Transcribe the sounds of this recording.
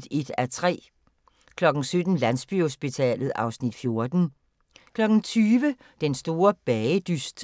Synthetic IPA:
d̥e̝d̥æt͡sʰʁɛ̰ː | kʰlɒ̽ɡ̥ŋ̩sød̥n̩læn̰sb̥y̰ho̝sb̥it͡sʰɛ̰ːlð̩ˠɑ̈ʊsnid̥fjo̝ɐd̥n̩ | kʰlɒ̽ɡ̥n̩t͡sʰyːʋə | d̥ensd̥o̝ːɐb̥ɛɪəd̥ysd̥

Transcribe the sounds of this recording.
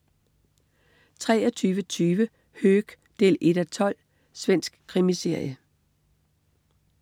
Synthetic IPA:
t͡sʰʁɛːɒt͡sʰyːʋət͡sʰyːʋə | høːɡ̥ | d̥e̝̰ːle̝ɾ̥æt͡sʰɒ̽l̰ | sʋen̰sɡ̥kʰʁimise̝ɐ̰jə

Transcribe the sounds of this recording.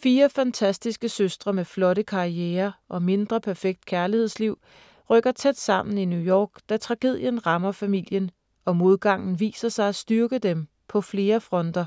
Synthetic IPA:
fiːɐfænt͡sʰæsd̥isɡ̥əsøsd̥ʁɐmeflɒ̽ɾəkʰɑ̈ieːɐʔɒ̽me̝nd̥ʁɐpʰæɐfeɡ̥̚d̥̚kʰæɐlihe̝ð̰ˠsliʊ̰ | ʁœɡ̥ɐt͡sʰed̥sɑ̈m̰n̩injujɒːɡ̥d̥æt͡sʰʁɑ̈ɡ̥e̝ð̰ˠjənʁɑ̈mɐfæmil̰jən | ɒ̽mo̝ð̞ˠɡ̥ɑ̈ŋ̰n̩ʋḭːsɐsɑ̈ɪæsd̥yɐɡ̥əd̥em | pʰɒ̽fle̝ːɐfʁɒ̽nd̥ɐ

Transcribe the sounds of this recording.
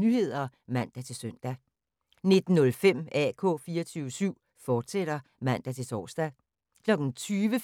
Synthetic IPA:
nyhe̝ð̰ˠɐmæn̰d̥æt͡sʰe̝lsøn̰d̥æ | ne̝d̥n̩ːɔ̽lfem̰ækʰɔ̰̽ːfiːɒt͡sʰyːʊəsyʊ̰ | fɒːd̥seɾ̥ɐ | mæn̰d̥æt͡sʰe̝lt͡sʰɒ̰ːsd̥æ | kʰlɒ̽ɡ̥n̩t͡sʰyːʋə

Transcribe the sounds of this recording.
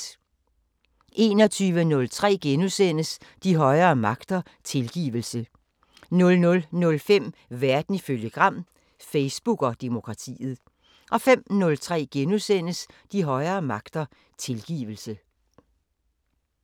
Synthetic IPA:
ʔe̝ːnɒ̽t͡sʰyːʋənɔ̽lt͡sʰʁɛ̰ːɡ̥enusen̰əsd̥iɦɒ̽ɪɐːmɑ̈ɡ̥d̥ɐ | t͡sʰe̝lɡ̥ḭːʋl̩sə | nɔ̽lnɔ̽lnɔ̽lfem̰ʋæɐd̥n̩iføljəɡ̥ʁɑ̈m̰ | feɪsb̥uɡ̥ɒ̽d̥e̝mo̝kʰʁɑ̈t͡sʰḭːð̞̩ˠ | ʔɒ̽fem̰nɔ̽lt͡sʰʁɛ̰ːɡ̥enusen̰əsd̥iɦɒ̽ɪɐːmɑ̈ɡ̥d̥ɐ | t͡sʰe̝lɡ̥ḭːʋəl̩sə

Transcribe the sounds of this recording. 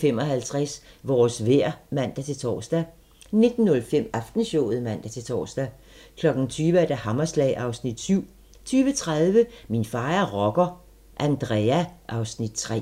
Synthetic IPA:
femɒ̽ɦælt͡sʰʁasʋɒːsʋeɐ̰mæn̰d̥æt͡sʰe̝t͡sʰɒ̰ːsd̥æ | ne̝d̥n̩ːɔ̽lfem̰ɑfd̥n̩ɕɔʊð̩ˠmæn̰d̥æt͡sʰe̝t͡sʰɒ̰ːsd̥æ | kʰlɒ̽ɡ̥n̩t͡sʰyːʋəæɐd̥æhɑ̈mɐslɛ̰ɪʔɑ̈ʊsnid̥syʊ̰ | t͡sʰyːʋət͡sʰʁað̞ˠʋəminfɑ̈ːæɐʁɒɡ̥ɐ | ʔænd̥ʁɛæʔɑ̈ʊsnid̥̚t͡sʰʁɛ̰ː

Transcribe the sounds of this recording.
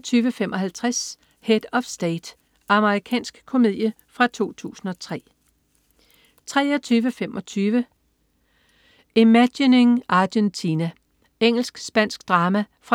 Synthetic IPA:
t͡sʰyːʋəfemʔɒ̽ɦælt͡sʰʁas | hed̥ɒ̽fsd̥ed̥ | ʔɑ̈məʁikʰɛ̰ːnsɡ̥kʰo̝me̝ð̰ˠjə | fʁɑ̈t͡sʰo̝̰ːt͡sʰṵːsn̩ɒ̽t͡sʰʁɛ̰ː | t͡sʰʁɛːɐt͡sʰyːʋəfemʔɒ̽t͡sʰyːʋə | imædineŋɑ̈d̥ent͡sʰinæ | eŋ̰l̩sɡ̥sb̥æn̰sɡ̥d̥ʁɑ̈ːmæfʁɑ

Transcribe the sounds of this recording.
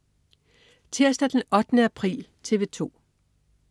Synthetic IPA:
t͡sʰe̝ɐ̰sd̥ɐd̥enɒ̽d̥ənəæpʰʁḭːlt͡sʰe̝ʋe̝t͡sʰo̝̰ː

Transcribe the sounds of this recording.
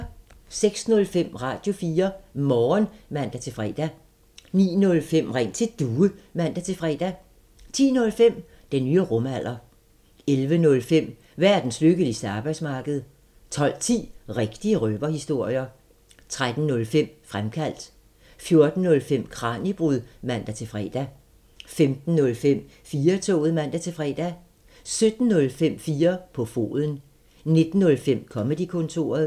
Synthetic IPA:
seɡ̥snɔ̽lfem̰ʁɑ̰̈ːd̥jo̝fiːɐmɒːnmæn̰d̥æt͡sʰe̝fʁɛːd̥æ | nḭːnɔ̽lfem̰ʁɛŋ̰t͡sʰe̝d̥uːəmæn̰d̥æt͡sʰe̝fʁɛ̰ːd̥æ | t͡sʰḭːnɔ̽lfem̰ | d̥enːyːəʁɔ̽mæl̰ʔɐ | elʋənɔ̽lfem̰ | ʋæɐ̰d̥n̩sløɡ̥əisd̥ɑ̈ːb̥ɑ̈ɪd̥smɑ̈ːɡ̥əð̞̩ˠ | t͡sʰɒ̽l̰t͡sʰḭːʁeɡ̥d̥iəʁøb̥ɐhisd̥o̝ɐ̰jɐ | t͡sʰʁad̥n̩nɔ̽lfem̰fʁamkʰæl̰d̥ | fjo̝ɐd̥n̩ːɔ̽lfem̰kʰʁɑ̈ːnib̥ʁuðˠmæn̰d̥æt͡sʰe̝fʁɛ̰ːd̥æ | femd̥n̩ːɔ̽lfem̰ | fiːɐt͡sʰɔ̰ːð̞̩ˠmæn̰d̥æt͡sʰe̝fʁɛ̰d̥æ | sød̥n̩ːɔ̽lfem̰fiːɐpʰɒ̽fo̝̰ːðˠən̩ | ne̝d̥n̩ːɔ̽lfem̰kʰɒ̽med̥ikʰɔ̽nt͡sʰo̝̰ːɐð̩ˠ

